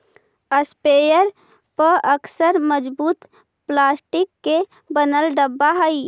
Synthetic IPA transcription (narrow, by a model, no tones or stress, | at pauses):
əspejəɾ | pəəksəɾməd͡ʒbuːt̪ | plaːsʈikːe | bənəlɖəbːaɦəi